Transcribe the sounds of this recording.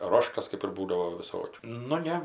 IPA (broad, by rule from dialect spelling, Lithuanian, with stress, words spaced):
ˈroːʃtɐs kɜp ɪr ˈbuːdɐʋoː ʋʲɪˈsoːkʲuː nʊ ˈnʲɛ